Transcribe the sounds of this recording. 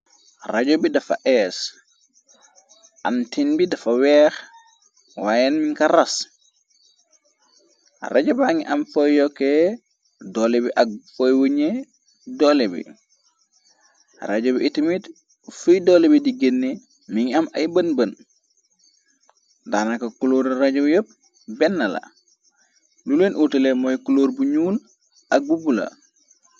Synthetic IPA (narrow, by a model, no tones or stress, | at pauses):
raɟobidɐfa̰ʔɛs | ʔa̰ntinbidɐfawɛːx | waːjɛnmiŋkaɾas | raɟobaŋiʔamfojjɔkːe | dɔːlebiʔak̚fojwuɲe | dɔlebḭ | ɾaɟobʔitimit | fujdolebidiɡenːi | miŋamajbənbən | daːnakɐkuloːɾɾaɟobjop̚ | bɛnːala̰ | lulenʔutəlemojkuloːɾbuɲuːl | ak̚bubula̰